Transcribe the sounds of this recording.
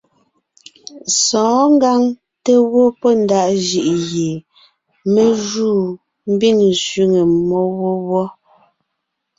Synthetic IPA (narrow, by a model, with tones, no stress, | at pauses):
sɔ̃ː˨˦ŋ˦ɡa˦ŋ | te˦wo˦pɔ˦n˦da˦˨ʔʒi˨ʔje˨ | me˦ʒuː˦˨ | m̩˦bi˦˨nsɥi˦ŋe˨mɔ˦wo˦wɔ˦